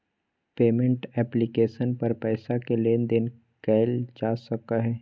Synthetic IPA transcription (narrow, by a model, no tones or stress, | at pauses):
peːmẽɳʈɛːplɪkeːʃənpɐɾpɛːsakeleːnd̪ɪn | kɛːɪld͡ʒaːsɐkaɦɛː